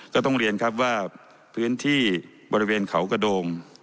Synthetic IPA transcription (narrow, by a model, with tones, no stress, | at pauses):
kɔː˥˩t̪ɔ˥˩ŋɾi˧ənkʰa˦˥p̚waː˥˩ | pʰɯː˦˥nt̪ʰiː˥˩ | bɔː˧ɾi˦˥weː˧nkʰa˨˩˦wka˥˩doː˧ŋ